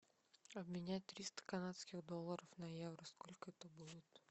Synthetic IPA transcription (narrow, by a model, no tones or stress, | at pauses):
ɐbmʲɪnʲæt̪ɾʲist̪ə̥kɐnat̪skʲixd̪olˠːəɾəfnɐjevɾəskolʲkət̪obolˠut̪